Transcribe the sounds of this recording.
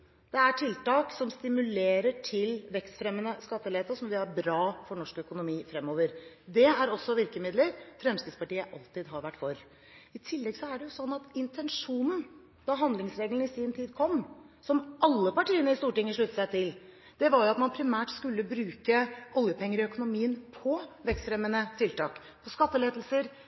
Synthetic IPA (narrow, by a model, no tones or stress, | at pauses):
d̪̥ɛæʈʰɪlt̪ɑːksɔmst̪ɪmʉleːɾəʈʰɪlʋɛkst̪fɾɛmːənəskɑt̪ːəleːt̪əsɔmʋɪæɾbɾɑːfɔɳɔʂkœkʊnʊmiːfɾɛmːoːʋəɾ | d̪ɛæɾɔsːɔʋɪɾkəmɪd̪ləɾfɾɛmst̪ɾɪd̪spɑʈiːəʔɑlt̪ɪd̪ɦɑɾʋæʈːfɔɾ | ɪt̪ʰɪlːɛɡsɔæɖɛjʊsɔnːɑt̪ɪnt̪ʰɛnʂuːnn̩ | d̪ɑɦɑnd̪lɪŋsɾeːɡln̩ɪsiːnt̪ʰiːd̪kʰɔmːsɔmʔɑlːəpɑʈiːənəɪst̪uːʈɪŋːəʂɭʉt̪ːəsæɪt̪ʰɪl | d̪̥ɛʋɑɾjʊɑt̪mɑnpʰɾɪmæːʈskʉlːəbɾʉːkəʔɔljəpʰɛŋːəɾɪœkʊnʊmiːənpʰɔʋɛkst̪fɾɛmːənət̪ʰɪlt̪ɑːk | pʰɔskɑt̪ːəleːd̪l̩səɾ